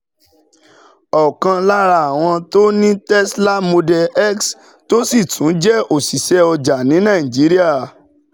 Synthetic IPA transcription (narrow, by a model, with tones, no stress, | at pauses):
ɔ˨kã˧la˦ɾa˦˨a˨w̃ɔ̃˧to˦nĩ˦tɛ˦sla˦mo˧dɛ˧ɛ˦ks | to˦si˦˨tũ˨˦d͡ʒɛ˦o˨si˨ʃɛ˧˦ɔ˧d͡ʒa˨nĩ˨˦nã˦˨ĩ˨d͡ʒi˨˦ɾi˦a˦˨